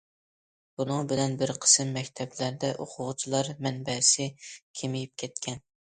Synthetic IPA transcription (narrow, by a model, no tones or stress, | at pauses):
b̥unɨŋbɪlɛnbɪɾqʰə̥sɨmːɛkʲt̪ʰɛblæɾd̪ɛʔoqʰʊʁt͡ʃʰilˠɑɾmɛnbɛsɪkʲʰemɪjip̚kʲʰɛt̪kʲʰɛn